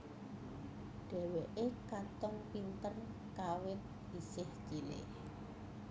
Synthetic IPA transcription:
ɖ̥ɛ̤weʔekat̪ɔŋpint̪ən | kawɪt̪̚ | isɪhkilɪ̰h

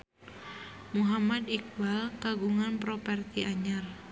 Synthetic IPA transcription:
muɦamad̪ik̚balkaɡuŋanpɾɔpɛrt̪iaɲar

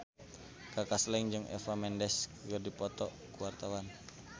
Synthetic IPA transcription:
kakaslɛŋd͡ʒɨŋʔɛ̰famɛndɛskɡərdipɔt̪ɔ | kuwart̪awan

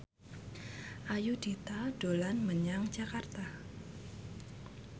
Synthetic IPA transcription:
ʔajud̥it̪aɖ̥olanməɲaŋ̥d͡ʒakart̪a

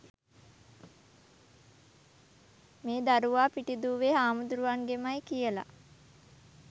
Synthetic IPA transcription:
meːd̪aɾuʋaːpiʈid̪uːʋeɦaːmud̪uɾuʋaŋɡemajkijəla̰

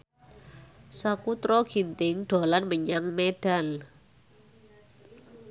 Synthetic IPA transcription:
sakut̪ɾɔɡ̥int̪ɪŋɖ̪̥o̤lanməɲaŋmeɖ̥al

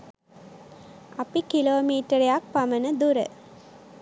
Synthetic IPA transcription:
ʔɐpikiloːmiːʈəɾejak̚pamənəd̪uɾə̰

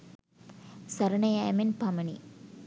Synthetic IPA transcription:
sɐɾɐnɐjaːmenpɐmɐnḭ

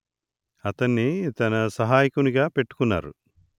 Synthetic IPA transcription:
ɐt̪ɐnːit̪ɐnɐsɐɦaːjikuniɡaːpe̞ʈːu̥kunːa̰ːɾu

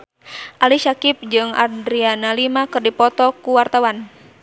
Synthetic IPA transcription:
ʔaliʃakip̚d͡ʒɨŋa̰dɾianalimakɨrdipɔt̪ɔkuwart̪awan

